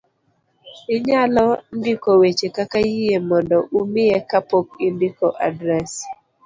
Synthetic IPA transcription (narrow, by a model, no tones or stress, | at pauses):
ɪɲalɔndikowet͡ʃekakajijemɔndɔʔumɪekapok̚indikoʔadɾɛs